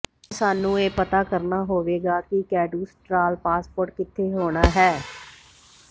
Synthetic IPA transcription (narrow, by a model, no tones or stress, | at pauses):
saːnũːeːpət̪aːkəɾnaːɦoːʋeːɡaːkɪkɛːɖuːsʈɾaːlpaːspoːɾʈkɪt̪ʰːeːɦoːɽ̃aːɦɛː